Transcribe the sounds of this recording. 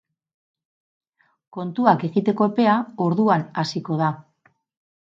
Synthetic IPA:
ko̞nt̪uake̞ɣit̪e̞ko̞epe̞ao̞ɾðuanasiko̞ða

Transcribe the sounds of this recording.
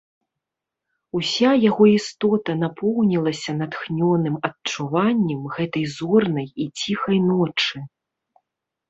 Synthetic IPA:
usʲajaɣɔist̪ɔt̪ɐnapʰɔwnʲilˠɐsʲɐnat̪xnʲɔnɨmɐtt͡ʂuvanʲːɐmɣɛt̪ɐjzɔrnɐjit͡sʲixɐjnɔt͡ʂɨ

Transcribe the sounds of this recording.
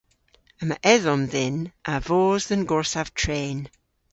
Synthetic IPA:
əmaʔɛðɔmðɛnʔavoːzðənɡɔɹsav̥tʰɹ̥eːn

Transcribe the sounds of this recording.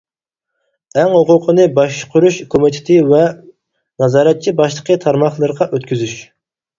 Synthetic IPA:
ɛŋhoqʊqʰənɨbɑʃqʰʊɾuʃkʰomit̪ʰɪ̥t̪ʰɪvɛ | nɑzɑːɾɛt̪̚t͡ʃʰibɑʃlˠəqʰət̪ʰɑɾmɑχlˠɨɾʁɑʔøt̪kʲyzyʃ

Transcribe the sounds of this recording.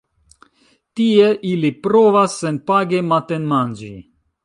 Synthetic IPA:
t̪ieʔilipɾovasːenpaɡemat̪enmand͡ʒḭ

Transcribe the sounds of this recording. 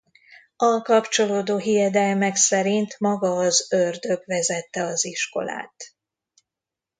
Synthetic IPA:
ɒlkɒpt͡ʃo̞loːd̪oːɦijɛd̪ɛlmɛksɛɾint̪mɒɡɒːzørd̪ø̞ɡvɛzɛt̪ːɛɒziʃko̞̰la̰ːt̪

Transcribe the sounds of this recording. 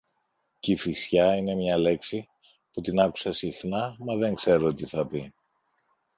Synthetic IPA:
cifisçɐine̞mɲɐle̞ksi | put̪inɐku̥sɐsixnɐmɐðe̞ŋkse̞ɾo̞t̪iθɐpi

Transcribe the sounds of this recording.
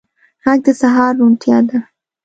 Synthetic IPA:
ɣaɡ̚d̪əsaɦɑɾːunt̪jɑd̪a

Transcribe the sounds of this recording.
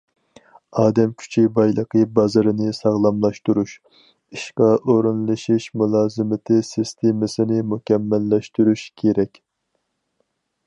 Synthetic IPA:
ɑːd̪ɛmkʲʰy̥t͡ʃʰibɑjlˠəqʰəbɑzɨɾɨnɪsɑʁlˠɑmlˠɑʃt̪uɾuʃ | iʃqɑʔoɾunlˠɨʃiʃmulˠɑːzɨmɪt̪ʰɪsɪst̪ʰemɪsɪnɪmukʲɛmːɛlːɛʃt̪yɾuʃkʲʰeɾɛkʲ

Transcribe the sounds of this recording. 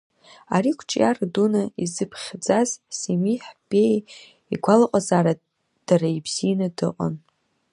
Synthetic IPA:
aɾikʷʰt͡ʃʼjardunaizɨpʰχʲd͡zazsemiħbʼej | iɡʷalaqʼazaːɾa | d̥aɾaibz̥inadɨqʼa̰n

